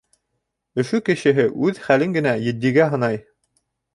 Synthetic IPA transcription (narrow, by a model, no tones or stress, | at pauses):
ɵ̆ʃukɘ̆ɕɘ̆ɦɘʔʉðχælɘŋɡɘ̆næjɘ̆d̪ːiɡæɦɤ̆nɑj